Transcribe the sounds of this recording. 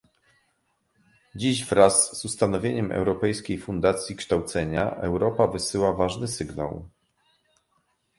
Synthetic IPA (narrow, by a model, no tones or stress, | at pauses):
d͡ʑiʑvɾazːust̪anɔvʲjeɲɛmʔɛ̰wɾɔpɛjskʲejfund̪at̪sʲjikʂt̪awt̪sɛɲa̰ʔɛ̰wɾɔpavɘsɘwavaʐnɘsɘɡna̰w